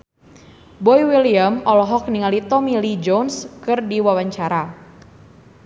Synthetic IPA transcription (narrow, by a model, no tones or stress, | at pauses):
bɔiwiliəmɔlɔɦɔk̚niŋalit̪ɔmilid͡ʒɔnskɨrdiwawaɲt͡ʃaɾa